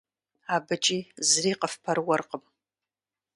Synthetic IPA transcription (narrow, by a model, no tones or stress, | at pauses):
abɨt͡ʃʼizriːqʼəfpʰarwarqʼəm